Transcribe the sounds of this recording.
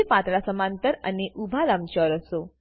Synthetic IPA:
epãt̪ɭasəmant̪əɾa̰niʔubʱalamt͡ɕəɾəso

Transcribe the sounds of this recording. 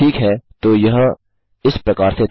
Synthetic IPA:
iːkɦɛːt̪oːjɐɦã | ɪspɾɐkaːɾse

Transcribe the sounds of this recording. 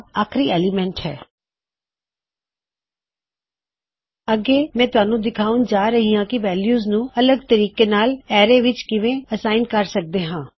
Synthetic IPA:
aːkʰɾiːɛːlɪmɛ̃ɳʈhɛ̰ː | əɡeːmɛ̃ːt̪ʊaːnũːd̪ɪkʰaːũnd͡ʒaːɾəɦiːãːkɪʋɛːljuːznũːələɡ̚t̪əɾiːkeːnaːlɛːɾeːʋɪt͡ʃkɪʋẽːəsaːɪnɖkəɾsək̚d̪eːɦãː

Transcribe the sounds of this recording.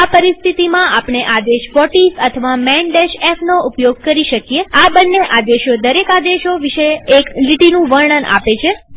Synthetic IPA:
apəɾist̪ʰit̪imãapɳeʔad̪eʃʋɔʈisət̪ʰəʋamɛɳɖeʃefʰnoʔupjoɡ̚kəɾiʃəkijeabənːeʔad̪eʃod̪əɾekad̪eʃoʋiʃeːkliʈinũʋəɾɳənʔa̰pet͡ʃʰe

